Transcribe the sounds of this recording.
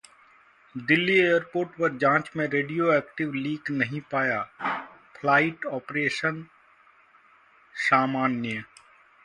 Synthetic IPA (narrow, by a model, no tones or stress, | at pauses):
d̪ɪlːieːjəɾpoːɾʈpɐɾd͡ʒãːt͡ʃmẽɾeːɖijoɛːkʈɪʋliːɡnɐɦĩpaːja | pʰlaːɪʈɔːpɾeːʃən | saːmaːnjə